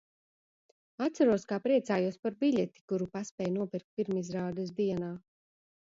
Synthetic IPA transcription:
at̪saɾuɔskaːpɾiɛt̪saːjuɔspaɾbiʎʲɛt̪i̥kuɾupaspʲɛːjnuɔpiɾk̚t̪̚pʲiɾmizɾaːd̪ɛzd̪iɛnaː

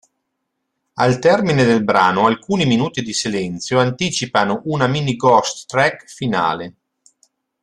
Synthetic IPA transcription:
alt̪ɛrmined̪elbɾa̰ːnoalkuːniminuːt̪id̪isilɛnt̪sjoant̪iːt͡ʃipanoʔunaminiɡɔst̪ːɾɛkfina̰ːle

